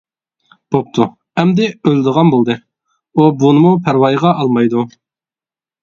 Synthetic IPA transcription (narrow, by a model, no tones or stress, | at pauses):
b̥op̚t̪ʰu | ɛmd̪ɪøld̪əʁɑnbolˠd̪ɨ | ubunɨmupʰæɾwɑjʁɑʔɑlˠmɑjd̪u